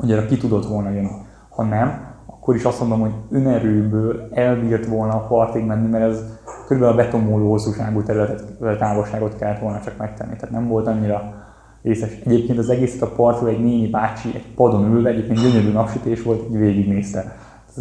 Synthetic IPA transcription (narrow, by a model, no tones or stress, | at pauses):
uɲɛɾɒkit̪ud̪o̞t̪ʋo̞lnɒjønːi | hɒnɛmɒkːo̞ɾiʃɒst̪mond̪omho̞ɟønɛɾøːbøːlɛlbiːrt̪ʋo̞lnɒpɒrrt̪eːɡmɛnːimɛɾɛzkøɾybɛnɒbɛt̪o̞moːloːho̞sːuʃaːɡut̪ɛɾylɛt̪ɛt̪ːt̪aːvoʃaːɡo̞t̪kɛlːɛt̪ʋo̞lnɒt͡ʃɒkmɛkt̪ɛ̰nːit̪ɛaːt̪nɛmvo̞lt̪ɒɲːiɾɒ | reːsɛʃɛɟeːp̚keːnt̪ɒzɛɡeːsɛ̥t̪ɒpɒrt̪uɛɟneːɲibaːt͡ʃiʔɛ̰ɟ̥pɒd̪o̞nylvɛɛɟeːpkeːnd̪ɟøɲøɾyːnɒkʃit̪eːʃʋo̞lt̪ɛɟʋeːɡiɡneːst̪ɛ